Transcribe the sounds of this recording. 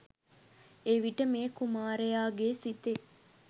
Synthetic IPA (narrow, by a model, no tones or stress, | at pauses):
eʋiʈəmeːkumaːɾejaːɡesit̪e